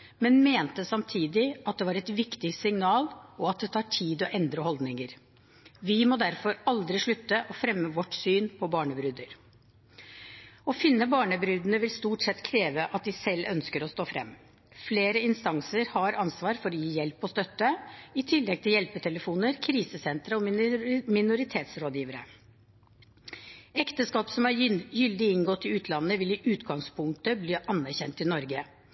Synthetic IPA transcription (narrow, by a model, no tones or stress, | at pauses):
mɛnmeːnt̪əsɑmt̪ʰiːd̪ɪɑt̪̚d̪ɛʋɑːɾɛt̪ʋɪkt̪ɪsɪŋnɑːlɔɑt̪̚d̪ɛt̪ʰɑːʈʰiːd̪ɔʔɛnd̪ɾəhɔld̪nɪŋəɾ | ʋɪmɔd̪æɾfɔɾɑld̪ɾɪʂɭʉt̪ːəʔɔfɾɛmːəʋɔʈsyːnpʰɔbɑːɳəbɾʉːd̪əɾ | ɔfɪnːəbɑːɳəbɾyːd̪ənəʋɪlst̪uːʈsɛt̪ːkʰɾeːʋəʔɑt̪̚d̪ɪsɛlːʔœnskəɾɔst̪oːfɾɛ̰mː | fleːɾəɪnst̪ɑŋsəɾhɑɾɑnsʋɑːɾfɔɾɔjiːjɛlpɔst̪œt̪ːəɪt̪ʰɪlːɛɡ̚t̪ʰɪljɛlpət̪ʰɛləfuːnəɾkʰɾiːsəsɛnt̪ɾəɔmɪnʊɾɪt̪ʰeːt̪sɾoːd̪jiːʋəɾə̰ | ɛkt̪əskɑːpsɔmæɾjʏld̪ɪɪŋɡɔt̪ːɪʉːt̪ʰlɑnːəʋɪlɪʔʉːt̪ɡɑŋspʰʊŋk̚t̪əbliːʔɑnːæɾçɛnt̪ɪnɔɾɡə